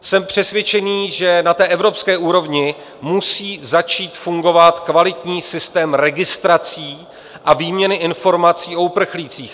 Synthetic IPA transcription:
sɛmpr̝̥ɛsvjɛt͡ʃɛniːʒɛnat̪ɛːʔɛvɾo̞pskɛːʔuːɾo̞vɲɪ | musiːzat͡ʃiːt̪fuŋɡo̞vat̪kvalɪt̪ɲiːsɪst̪ɛːmɾɛɡɪst̪ɾat͡siː | ʔaviːmɲɛnɪʔɪnfo̞ɾmat͡siːʔo̞upr̩xliːt͡siːx

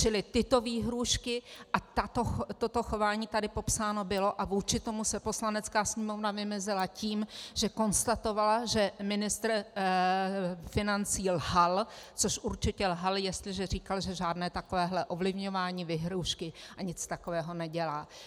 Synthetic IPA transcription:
t͡ʃɪlɪt̪ɪt̪o̞viːɦɾuːʃkɪʔat̪at̪oxt̪o̞t̪o̞xo̞vaːɲiːt̪adɪpo̞psaːno̞bɪlo̞ʔavuːt͡ʃɪt̪o̞musɛpo̞slanɛt͡skaːsɲɛmo̞vnavɪmɛzɪlaciːmʒ̥ɛko̞nst̪at̪o̞valaʒɛmɪnɪst̪ɾ | fɪnant͡siːlɦalt͡so̞ʃʔuɾt͡ʃɪcɛlɦaljɛst̪lɪʒɛr̝iːkalʒɛʒaːdnɛːt̪ako̞vɛːɦlɛʔo̞vlɪvɲo̞vaːɲiːvɪɦɾuːʃkɪʔaɲɪt͡st̪ako̞vɛːɦo̞nɛɟɛlaː

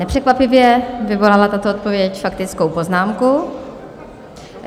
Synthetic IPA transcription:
nɛpr̥ɛkvapɪvjɛvɪvo̞lalat̪at̪oot̪̚povjɛcfakt̪ɪt͡skowpo̞znaːmku

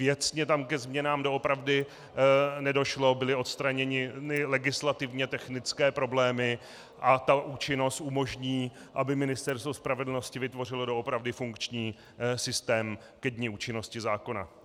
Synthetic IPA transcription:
vjɛt͡sɲɛt̪amkɛzmɲɛnaːmdoopɾavdɪ | nɛdo̞ʃlo̞bɪlɪo̞t̪st̪ɾaɲɛɲɪnɪlɛɡɪslat̪ɪvɲɛt̪ɛxnɪt͡skɛːpɾo̞blɛːmɪ | ʔat̪aʔuːt͡ʃɪno̞st̪ʔumo̞ʒɲiːʔabɪmɪnɪst̪ɛɾst̪vo̞spɾavɛdl̩no̞scɪvɪt̪vo̞r̝ɪlo̞do̞opɾavdɪfuŋkt͡ʃɲiː | sɪst̪ɛːm | kɛdɲiːuːt͡ʃɪno̞scɪzaːko̞na̰

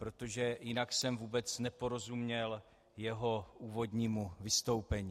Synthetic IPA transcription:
pɾo̞t̪o̞ʒɛjɪnaksɛmvuːbɛt͡snɛpo̞ɾo̞zumɲɛl | jɛɦo̞ʔuːvo̞d̪ɲiːmuvɪst̪o̞wpɛɲi

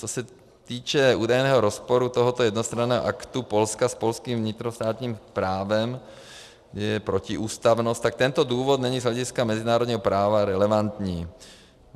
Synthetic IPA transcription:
t͡sosɛ | t̪iːt͡ʃɛuːdajnɛːɦoɾospoɾut̪oɦot̪ojɛd̪nost̪ɾanɛːɦo̰ʔakt̪upolskaspolskiːmvɲɪt̪ɾost̪aːt̪ɲiːmpɾaːvɛm | ɛjɛpɾociɪʔuːst̪avnost̪t̪ːak̚t̪ɛnt̪oduːvot̪nɛɲiːzɦlɛɟɪskamɛzɪnaːɾodɲiːɦopɾaːvaɾɛlɛvant̪ɲiː

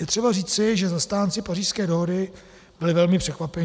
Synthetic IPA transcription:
jɛt̪r̥ɛbariːt͡sɪʒɛzast̪aːnt͡sɪpariːʃskɛːdoɦodɪ | b̥ɪlɪvɛlmɪpr̥ɛkvapɛɲ

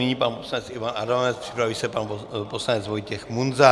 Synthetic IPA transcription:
niɲiːpanposlanɛt͡sivanadanɛt͡spr̥ɪ̥pɾaviːsɛpanposlanɛt͡svojcɛxmunza

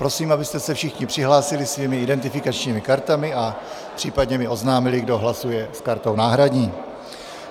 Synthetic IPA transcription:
pɾo̞siːmʔabɪst̪ɛsɛfʃɪxɲɪpr̝̥ɪɦlaːsɪlɪsviːmɪɪdɛnt̪ɪfɪkat͡ʃɲiːmɪkaɾt̪amɪʔa | pr̥iːpadɲɛmɪʔo̞znaːmɪlɪɡdo̞ɦlasujɛskaɾt̪ownaːɦɾadɲiː

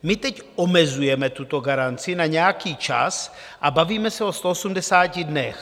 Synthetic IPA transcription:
mɪt̪ɛc | ʔomɛzujɛmɛt̪ut̪o̞ɡaɾant͡sɪnaɲɛjakiːt͡ʃa̰s | ʔabaviːmɛsɛost̪oosumdɛsaːcɪdnɛx

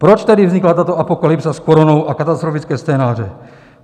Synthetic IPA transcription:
pɾɔt͡ʃt̪ɛdivzɲiklat̪aːt̪ɔapɔkalipsaskɔɾɔnɔʊʔakat̪ast̪ɾɔfit͡skɛːst͡sɛːnaːrɛ

